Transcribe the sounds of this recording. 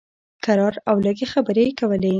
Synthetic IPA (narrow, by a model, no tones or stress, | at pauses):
kaɾɑɾawləɡexabəɾekawəle